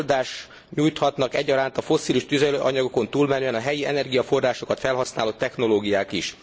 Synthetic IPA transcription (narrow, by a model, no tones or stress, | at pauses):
ld̪aːʃ | ɲuːjt̪hɒt̪nɒkɛɟːɒɾaːnt̪ɒfo̞sːiːliʃt̪yzɛløʔɒɲɒɡo̞ko̞nt̪uːlmɛnyɛnɒɦɛjiɛnɛrɡijɒfo̞rraːʃo̞kɒt̪fɛlɦɒsnaːloːt̪ːɛxno̞loːɡijaːkiʃ